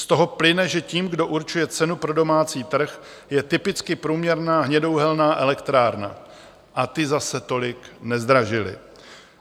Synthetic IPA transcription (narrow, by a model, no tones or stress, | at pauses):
st̪o̞ɦo̞plɪnɛʒɛciːmɡdo̞ʔuɾt͡ʃujɛt͡sɛnupɾo̞do̞maːt͡siːt̪r̩x | jɛt̪ɪpɪt͡skɪpɾuːmɲɛɾnaːɦɲɛdo̞wɦɛlnaːʔɛlɛkt̪ɾaːɾna̰ | ʔat̪ɪzasɛt̪o̞lɪknɛzd̪ɾaʒɪlɪ̰